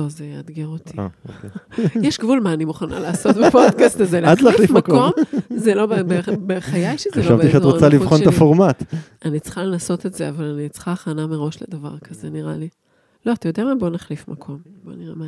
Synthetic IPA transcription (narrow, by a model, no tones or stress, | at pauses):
ozejead̪ɡeʁot̪ʰiaokejɛʃɡvulmaːnimuχana̰laːso̞t̪̚bepod̪kast̪azelad̪lalfifmako̞mzelo̞bebebeχajajʃeχzeloavt̪iʃeatʁot͡salivχont̪afoʁmat̪ | anit͡sχalenaso̞t̪etz̥eavalanit͡sχaːχanameʁo̞ʃled̪ava̰ʁkʰɐzeniʁali | lo̞at̪ajo̞d̪eamabo̞naχlifmakʰo̞mbo̰niʁema